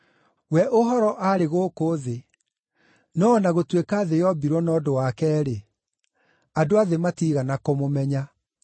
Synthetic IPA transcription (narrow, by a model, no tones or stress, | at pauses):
wɛʔoɦɔɾɔʔaɾeɣoːkoðe | nɔːnaɣotwekaːðejɔbiɾwɔnɔdowakɛːɾe | adoaðematiːɣanakomomɛɲa